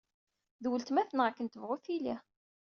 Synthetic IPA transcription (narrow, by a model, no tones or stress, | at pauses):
ðwəlt̪mæθənʁakːənt̪əvʁʊθili